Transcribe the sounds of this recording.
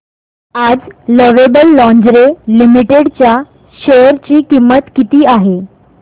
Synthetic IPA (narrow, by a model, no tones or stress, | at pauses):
ad͡zləʋebəlːɔ̃ɲd͡zɾelimiʈeɽt͡ɕja | ɕejəɾt͡ɕiːkimːət̪kit̪iːaɦe